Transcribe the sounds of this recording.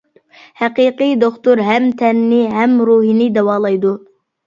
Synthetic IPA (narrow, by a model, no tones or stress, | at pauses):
hæqiːqɨjd̪oχt̪uɾɦɛmt̪ʰɛnːɪɦɛmɾuɦinɪd̪ɛwɑːlˠɑjd̪u